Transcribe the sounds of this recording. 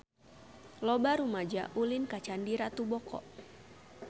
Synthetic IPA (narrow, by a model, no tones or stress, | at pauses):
lɔbaɾumad͡ʒa̰ʔulinkat͡ʃandiɾat̪ubɔkɔ̰ʔ